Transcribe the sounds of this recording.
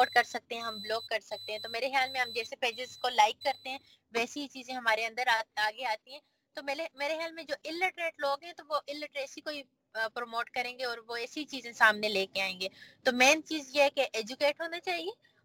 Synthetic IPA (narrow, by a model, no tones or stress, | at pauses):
ʈ̚kɐɾsɐk̚t̪ẽɦɛ̃ɦɐmbloːɡkːɐɾsɐk̚t̪ẽɦɛ̃t̪omeːɾexejaːlmẽɦɐmd͡ʒɛːsepeːd͡ʒɪzkolaːɪkːɐɾt̪eɦɛ̃ː | ʋɛːseɦit͡ʃiːzẽɦɐmaːɾeɐ̃nd̪əɾaaːɡeaːt̪iɦɛ̃ | t̪omeːemeːɾexjaːlmẽd͡ʒoːʔɪlːɪʈɾeːʈloːɡɦɛ̃t̪oʋoʔɪlːɪʈɾeːsikoːi | pɾoːmoːʈkɐɾẽːŋɡeɔːɾʋoɛːseɦit͡ʃiːzẽsaːmneleːkeaːẽːŋɡeːt̪omɛːnt͡ʃiːzjeɦɛkeʔɛːd͡ʒukeːʈɦoːnat͡ʃaːɦieː